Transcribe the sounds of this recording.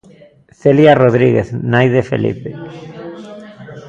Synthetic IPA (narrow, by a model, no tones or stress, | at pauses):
θeljaroðɾiɣeθnajðefḛlḭpe